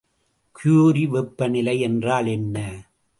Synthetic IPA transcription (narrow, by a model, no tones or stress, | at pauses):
kʰjuːɾiʋɛpːɐnɪlɐɪɛndraːlɛnːɐ